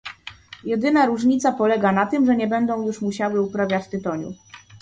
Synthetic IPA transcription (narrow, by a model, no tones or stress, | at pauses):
jɛd̪ɘnaɾuʐɲit̪sapɔlɛɡanat̪ɘmʐɛɲɛbɛnd̪ɔ̃w̃juʂmuɕawɘupɾavʲjat͡ɕt̪ɘt̪ɔɲṵ